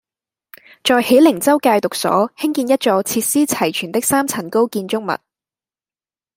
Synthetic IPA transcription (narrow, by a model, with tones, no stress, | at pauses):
t͡sɔː˨˧jhe˨˥jlɪ˨˩ŋt͡sɐ˥wkaː˧jt̪ʊ˨k̚sɔ̰ː˨˥hɪ˥ŋkiː˧njɐ˥t̚t͡sɔː˨˧˥t͡sʰiː˧t̚siː˥t͡sʰɐ˨˩jt͡ʃʰyː˨˩nt̪ɪ˥k̚saː˥mt͡sʰɐ˨˩nko˥wkiː˧nt͡ʃʊ˥k̚mɐ̰˨t̚